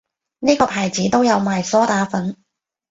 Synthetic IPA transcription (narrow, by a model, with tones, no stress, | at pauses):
niː˥kɔː˧pʰaː˨˩jt͡siː˨˥t̪o˥wjɐ˨˧wmaː˨˩jsɔː˥t̪aː˨˥fɐ˨˥n